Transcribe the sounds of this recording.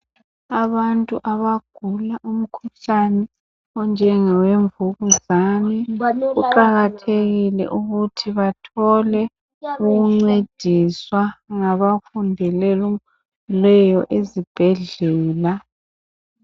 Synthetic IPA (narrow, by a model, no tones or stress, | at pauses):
aβantʼuʔaβaɡ̥ʱulaʔum̩kʰuɬanɛ | ɔnd͡ʒʱɛŋɛweɱvuɣuzanɛɣuǃaɣatʰeɣilɛ̰ʔuɣutʰiβatʰɔlɛ | uɣuŋ͡ǀed̥ʱiswaŋaβafundʱɛlɛlu | lɛjɔʔezib̥ʱɛɮɛːla